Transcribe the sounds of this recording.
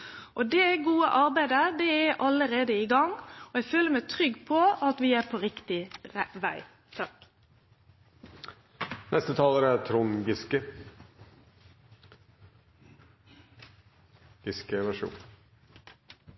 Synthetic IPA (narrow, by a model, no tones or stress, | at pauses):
ʔɔd̪ɛɡuːə̰ʔɑɾbæɪd̪əd̪ɛæʔɑləɾeːd̪əɪɡɑŋɔɛɡføːləɾmæɪt̪ʰɾʏɡːpʰɔɑt̪ʋɪæpʰoɾɪkt̪ɪʋæ̰ɪ | t̪ʰɑk | nʔɛst̪ət̪ʰɑːləɾəæt̪ʰɾʊŋɡɪskə | ɪskəʋæʂṵːn